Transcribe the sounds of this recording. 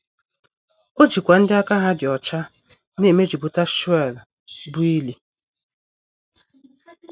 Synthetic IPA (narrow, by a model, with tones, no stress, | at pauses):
o˦d͡ʒi˨kʷa˨n̩˦dɪ˦a˦ka˦ɦa˦dɪ˨ɔ˨t͡ʃa˦ | ne˨me˦d͡ʒi˨bʊ˨ta˦ʃu˦ɛ˦˨l | bʊ˨˦i˦li˨